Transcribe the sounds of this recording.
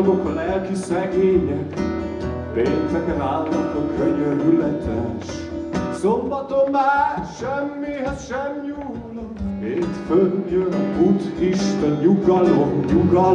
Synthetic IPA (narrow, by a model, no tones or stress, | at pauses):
ɡokɒlɛlkisɛɡeːɲɛk | beːnt̪ɛkɛnaːlmɔt̪okøɲøɾylɛt̪ʰɛʃ | sombɒt̪onːɛt̪ʃɛmːiɦɛzʃɛmjuː | lːoheːt̪fønd̪jønbut̪kiʃt̪ɛnjuɡɒlonjuɡɒ